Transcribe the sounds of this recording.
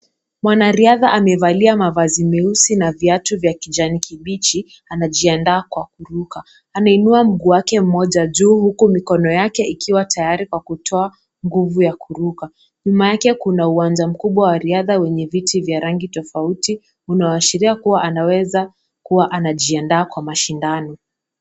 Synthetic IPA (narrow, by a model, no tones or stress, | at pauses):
mwanaɾiaðaʔamɛvaliamavazimiusinaviatuvjakid͡ʒanikʰiɓit͡ʃi | anaʄiandaːkwakuɾuka | anainuam̩ɡuwakɛm̩mɔʄaʄuːhukumikɔnɔjakɛʔikʰiwatʰajaɾikwakutʰɔa | ŋɡuvujakuɾuka | ɲumajakɛkunauwand͡ʒam̩kuɓwawaɾiaðawɛɲɛvitivjaɾaŋɡitɔfauti | unaaaʃiɾiakuwaʔanawɛza | kuwaʔanaʄiandaːkwamaʃindanɔ